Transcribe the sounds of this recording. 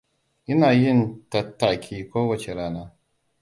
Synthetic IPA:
ʔɪ˦naː˨jɪ˦ntɐ˨tːa˨kʲʰiː˦kʷoː˦wɐ˨t͡ʃe˨ɾaː˦naː˦

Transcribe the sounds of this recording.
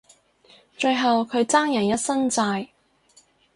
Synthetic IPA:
t͡ʃɵ˧ɥɦɐ˨wkʰɵ˨˧ɥt͡saː˥ŋjɐ˨˩njɐ˥t̚sɐ˥nt͡saː˧j

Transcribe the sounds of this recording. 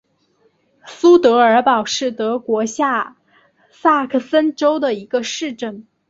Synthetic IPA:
su˥t̪ɤ˧˥ə˞˧˥pɑ˨˩ʊʂɻ̩˥˩t̪ɤ˧˥kwɔ˧˥ɕja˥˩ | sa˥˩kʰə˥˩sə˥nʈ͡ʂo˥ʊd̪ə˨i˧˥ɡə˧ʂɻ̩˥˧ʈ͡ʂə˥˩n

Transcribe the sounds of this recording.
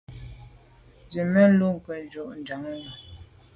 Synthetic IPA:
d͡zi˨mə˦n˦lu˦˨ŋ̩˨kə˨n˦d͡ʒo˨ʔnda˨ŋ˦ŋa˨

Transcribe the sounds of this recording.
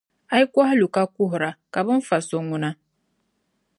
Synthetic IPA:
a˦i˦kwa˦hlu˨ka˦ku˦ɦɾa˨ka˨bɔ˦ɱ̩˦fa˨so˨ŋu˨na˦

